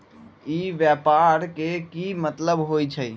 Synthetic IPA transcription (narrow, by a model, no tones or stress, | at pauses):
iʋjɛpaɾkekimət̪ləbɦojt͡ʃʰəj